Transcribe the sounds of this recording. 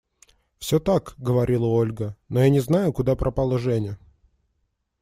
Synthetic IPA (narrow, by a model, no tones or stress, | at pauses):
fsʲot̪akɡəvɐɾʲʔilˠəo̞lʲɡənojanʲɪznajʊkʊd̪apɾʔɐpalˠəʐɛnʲɪ